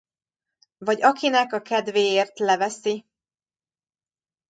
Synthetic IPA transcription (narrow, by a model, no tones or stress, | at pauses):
vɒɟɒkinɛkɒkɛd̪veːjeːrt̪lɛvɛsi